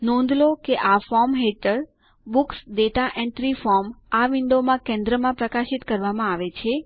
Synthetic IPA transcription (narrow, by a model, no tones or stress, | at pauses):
nɔ̃nd̪ʱlokeʔafɔɾmɦeʈəɾ | buksɖeʈaʔɛ̃ɳʈɾifɔɾmaʋɪɳɖ̪omãkɛ̃nd̪ɾəmãpɾəkaʃit̪kəɾʋamãaʋet͡ʃʰe